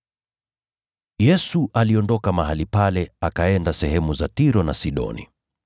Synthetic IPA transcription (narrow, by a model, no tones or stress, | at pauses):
jɛsuʔaliɔndɔkamaɦalipalɛakaɛndasɛɦɛmuzatiɾɔnasiɗɔ̰nḭ